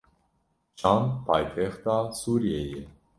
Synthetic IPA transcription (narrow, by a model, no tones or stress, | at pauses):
t͡ʃʰanpʰajt̪ʰɛχt̪asuɾjɛjɛ